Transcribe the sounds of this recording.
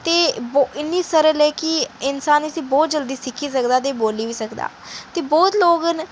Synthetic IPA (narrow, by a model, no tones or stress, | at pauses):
t̪eːbɪnːiːsəɾəlɛːkɪɪnsaːnəsĩːbɔːt̪̚d͡ʒəld̪iːsɪkʰːiːs̬əkd̪aːt̪̬eːboːliːʋiːsəkd̪a̰ː | t̪eːbɔːt̪loːɡən